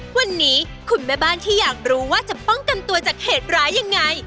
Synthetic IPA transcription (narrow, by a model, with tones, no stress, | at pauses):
wa˧nːiː˦˥ | kʰu˧nma˦˥˩baː˥˩nt̪ʰiː˥˩jaː˨˩k̚ɾuː˦waː˥˩t͡ɕa˨˩pɔ˥˩ŋka˧nt̪u˧ɐt͡ɕaː˨˩k̚heː˨˩t̪̚ɾaː˦˥jːa˧ŋːa˧j